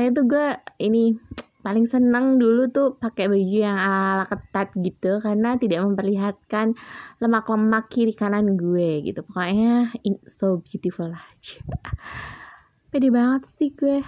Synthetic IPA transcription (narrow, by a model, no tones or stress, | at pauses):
kaɲat̪̬uɡuɛini | palɪŋsənəŋdulut̪uhpakebad͡ʒujaŋalaːlakət̪at̪̚ɡit̪ukarnat̪idaʔməmpərliɦat̪̚kanləmakləmakiɾikananɡueɡḭt̪upəkaɲasobjut̪ifulad͡ʒḁ | pedɛbaŋət̪sɪhɡuɛ